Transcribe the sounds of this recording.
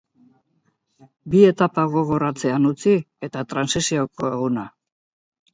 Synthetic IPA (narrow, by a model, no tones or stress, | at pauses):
bie̞t̪apaɣ̞o̞ɣo̞ɾat͡se̞anut͡si | e̞t̪at̪ɾansisio̞ko̞e̞ɣuna